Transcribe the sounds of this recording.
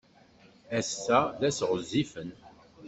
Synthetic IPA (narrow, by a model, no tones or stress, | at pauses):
æsːæðæsʁəzifən